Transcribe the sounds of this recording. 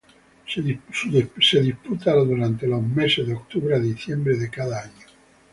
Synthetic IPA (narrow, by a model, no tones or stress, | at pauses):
suseðiput̪aɾad̪uɾant̪elozmesed̪eok̚t̪uβɾead̪iθjɛmbɾeðekaðaaɲo